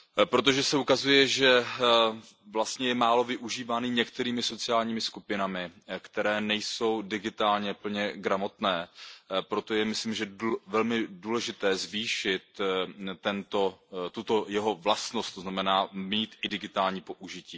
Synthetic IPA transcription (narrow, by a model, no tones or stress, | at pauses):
pɾot̪̬o̞ʒɛsɛukazujɛʒɛ | vlast̪ɲɛjɛmaːlo̞vɪʔuʒiːvaːniɲɛkt̪ɛɾiːmɪso̞t͡sɪjaːlɲiːmɪskupɪnamɪkt̪ɛɾɛːnɛjso̞wdɪɡɪt̪aːlɲɛpl̩ɲɛɡɾamo̞t̪nɛːpɾo̞t̪o̞jɛmɪsliːmʒɛvɛlmɪduːlɛʒɪt̪ɛːzviːʃɪt̪ː | ɛnt̪o̞t̪ut̪o̞jɛɦo̞vlast̪nost̪oznamɛnaːmiːt̪ʔɪdɪɡɪt̪aːlɲiːpo̞ʔuʒɪciː